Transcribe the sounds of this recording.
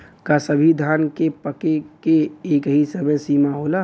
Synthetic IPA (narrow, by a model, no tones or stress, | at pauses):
kasəbʱid̪ʱankepəkekeekɦisəmẽsimaɦola